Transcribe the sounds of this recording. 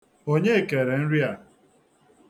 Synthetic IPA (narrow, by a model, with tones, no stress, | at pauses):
o˦ɲe˦e˨ke˨ɾe˨n̩˦ɾja˨